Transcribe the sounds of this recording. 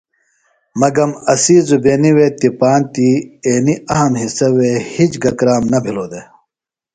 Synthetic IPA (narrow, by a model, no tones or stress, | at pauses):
mɐɡɐmɐsiːzubeːniwet̪ipaːnt̪ieːniɐɦɐmhisɐwehit͡ɕɡɐkɾaːmnɐbʱiloːd̪e